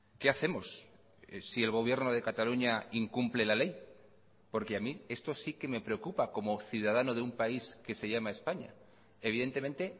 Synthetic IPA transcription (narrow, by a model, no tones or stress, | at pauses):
ke̞aθe̞mo̞s | sie̞lɣ̞o̞β̞je̞ɾno̞ð̞e̞kat̪aluɲaiŋkumple̞lale̞j | po̞ɾke̞amie̞st̪o̞sike̞me̞pɾe̞o̞kupako̞mo̞θjuð̞að̞ano̞ð̞eumpaiske̞se̞ʝamae̞spaɲa̰ | e̞β̞iðe̞nt̪e̞ment̪e̞